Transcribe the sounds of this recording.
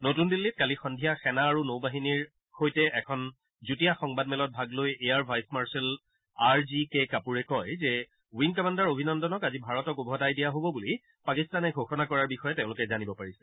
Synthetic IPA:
notundilːit̚kalixɔndʱijaxɛnaːɹunowbaɦiniɹ | xojtɛʔɛkʰɔn | zutijaxɔŋbadmɛlɔt̚bʱaɡlojejaɹbʱajsmaɹsɛl | aɹzikekapuɹɛkɔjzɛ | winkɔmandaɹobʱinɔndɔnɔkazibʱaɹɔtɔkubʱɔdajdijaɦobɔbuli | pakistanɛɡʱoxɔnakɔɹaɹbixɔjɛteʊ̃lʊkɛzanibɔpaɹisɛ̥

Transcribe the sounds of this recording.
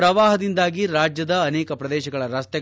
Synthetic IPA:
ɾɐʋaːɦɐd̪ind̪aːɡiɾaːd͡ʒjɐd̪ɐːnɛːkɐpɾɐd̪ɛːʃɐɡɐɭɐɾɐst̪ɛ

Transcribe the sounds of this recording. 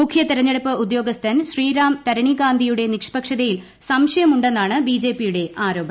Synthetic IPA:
mukʰjɐt̪iɾɐɲːɐɽɐpːɨʔud̪jo̞ːɡɐst̪ʰɐnɕriːɾaːmt̪ɐɾɐɳiɡaːnd̪ʱijuɽe̞nikʂpɐkʂɐðɐjil | sɐmʂɐjɐmuɳɖenːaːɳɨbiːd͡ʑe̞ːpːijuɽe̞aːɾo̞ːbɐ

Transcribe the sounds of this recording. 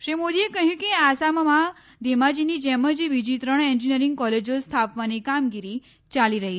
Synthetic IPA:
ʃɾimod̪iekəɦjũkiasaməmã | d̪emad͡ʒinid͡ʒɛməd͡ʒiʋid͡ʒit̪ɾəɳend͡ʒiniəɾiŋɡ̚kɔled͡ʒost̪ʰapʋanikamɡiɾi | t͡ʃaliɾəɦi

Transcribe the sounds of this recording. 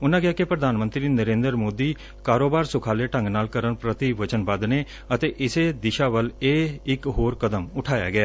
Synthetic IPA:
ʊnãːkɪjaːkepɾəd̪aːnmə̃nt̪ɾiːnəɾẽːnd̪əɾmoːd̪iː | kaːɾoːbaːɾsʊkʰaːleːʈə̃ŋɡnaːlkəɾənpɾət̪iʋət͡ʃənbəd̪neː | ət̪eːʔɪseːd̪ɪʃaːʋəleːɪkɦoːɾkəd̪əmʊʈʰaːja̰ːɡɪaː

